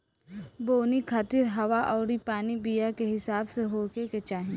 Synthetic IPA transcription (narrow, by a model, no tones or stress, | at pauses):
boːnikʰaːt̪ɪɾɦɐʋaʔɔːɾipaːnibijakeɦɪsaːbseɦoːkeket͡ʃaːɦĩ